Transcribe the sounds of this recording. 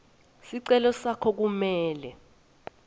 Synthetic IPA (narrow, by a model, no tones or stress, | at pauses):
siǀɛlɔsakʰɔk̬umɛːlɛ